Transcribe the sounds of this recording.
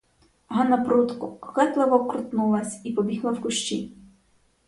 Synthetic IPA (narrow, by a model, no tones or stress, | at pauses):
ɦɐnɐpɾut̪kʊxɛt̪lˠɐʋɔkɾʊt̪nulˠɐsʲipɔbʲiɦlˠɐwkʊʃt͡ʃi